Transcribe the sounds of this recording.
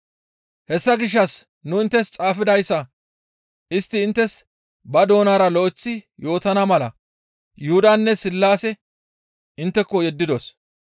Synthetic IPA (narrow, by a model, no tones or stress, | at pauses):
hɛsːɐɡɪʃ̬ːɐs | nʊɪnt̪ːɛst͡sʼaːfɪd̪ɐjsːɐ | ɪst̪ːɪːnt̪ːɛs | bɐd̪o̞ːnaːɾɐlɔʔɪt͡sːɪjo̞ːt̪ɐnɐmɐlɐ̰ | jʊhʊd̪ɐnːɛsɪlːaːsɛ | ɪnt̪ːɛkːɔjɛd̪ːɪd̪os